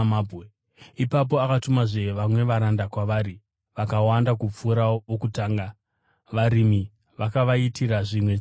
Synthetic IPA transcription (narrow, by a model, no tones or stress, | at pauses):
mabe | ipap̬o̞akatumaʐeʋamwe̞ʋaɾandakwaʋaɾi | ʋakawandakup͡fuɾaʋokutaːŋɡa | ʋaɾimi | ʋakaʋaitiɾaʐimwe